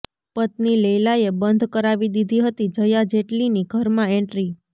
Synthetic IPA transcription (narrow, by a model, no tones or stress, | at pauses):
pət̪nilelajebənd̪ʱkəɾaʋid̪id̪ʱiɦət̪id͡ʒəjad͡ʒeʈliniɡʱəɾmãɛ̃ɳʈɾi